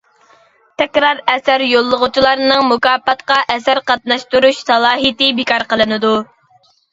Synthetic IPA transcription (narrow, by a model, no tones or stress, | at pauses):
t̪ʰɛkʲɾɑɾɛsæɾjolˠːəʁʊt͡ʃʰilˠɑɾnɨŋmʊkɑːpːɑt̪qɑʔɛsæɾqɑt̪̚nɑʃt̪uɾuʃsɑlˠɑːɦit̪ɪbɪkʰɑɾqəlˠɨnɨd̪u